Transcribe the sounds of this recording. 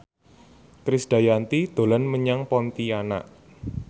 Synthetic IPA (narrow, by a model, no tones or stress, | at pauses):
kɾɪsd̥a̤jant̪id̪̥o̤lanməɲaŋpɔnt̪iana̰ʔ